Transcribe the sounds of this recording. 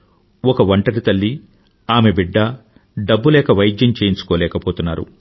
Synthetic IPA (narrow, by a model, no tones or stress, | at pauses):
ɔkɐʋɐɳʈɐɾit̪ɐlːi | aːme̞biɖːɐ | ɖɐbːulɛːkɐʋɐjid͡ʒjɐmt͡ʃeːjiɲt͡ʃu̥koːlɛːkɐpoːt̪unːaːɾṵ